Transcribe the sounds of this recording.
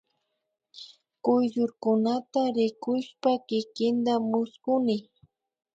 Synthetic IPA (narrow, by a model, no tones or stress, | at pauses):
kʊjʒʊɾkʊnat̪aɾɪkʊʃpakɪkɪnd̪amʊskʊnɪ